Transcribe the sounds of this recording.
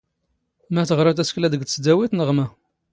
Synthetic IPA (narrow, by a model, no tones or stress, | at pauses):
mæθəʁɾˤɑt̪æsklæd̪əɡt̪t͡sːd̪æwit̪nəʁmæ